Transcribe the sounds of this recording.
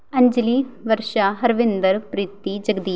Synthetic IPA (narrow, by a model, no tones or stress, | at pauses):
ɐ̃ɲd͡ʒliʋəɾʃaːɦɐɾʋɪnd̪əɾpɾiːt̪ːid͡ʒɐɡd̪iː